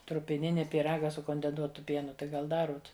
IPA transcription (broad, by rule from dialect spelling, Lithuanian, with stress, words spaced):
trʊpʲɪˈnʲɪnʲɪ pʲiːˈrɑːɡɐ sʊ koːnʲdʲɛnˈsuɔtʊ ˈpʲiɛnʊ tɐɪ ˈɡɐlˠ ˈdɑːruɔt